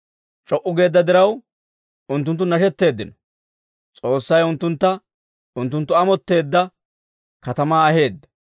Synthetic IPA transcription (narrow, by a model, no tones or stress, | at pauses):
t͡ʃʼɔʔːʊɡe̞ːd̪ːɐd̪ɪɾɐw | ʊnt̪ːʊnt̪̬ːʊnɐʃɛt̪ːe̞ːd̪ːɪnɔ̥ | t͡sʼo̞ːsːɐjʊnt̪ːʊnt̪ːɐ | ʊnt̪̬ːʊnt̪ːʊɐmɔt̪ːe̞ːd̪ːɐ | kɐt̪ɐmaːhe̞ːd̪ːɐ̥